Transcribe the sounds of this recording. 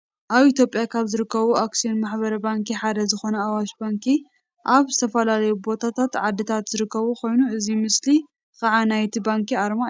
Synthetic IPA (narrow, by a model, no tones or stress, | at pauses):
ʔaβit̪ʰjo̞pʼːjakʰaβzɨɾɨkʰːɐβuaksijo̞nmaħbɐɾɐbaŋkiħad̪ɐzɨxo̞nɐawaʃbaŋkʰi | ʔaβzɨt̪ʰɐfɐlalɐjubo̞t̪ʰat̪ʰat̪ʕad̪ːɨt̪ʰat̪z̥ɨɾɨkːɐβukʰo̞jnuɨzimɨsli | kaʕanajt̪ʰibaŋkiaɾma